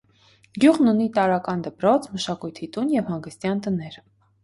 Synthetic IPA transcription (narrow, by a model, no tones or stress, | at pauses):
ɡjuʁnunit̪ɑɾɑkɑnd̪əpɾɔt͡sʰməʃɑkujt̪ʰit̪unjɛvhɑŋɡəst̪jɑnt̪ənɛɾ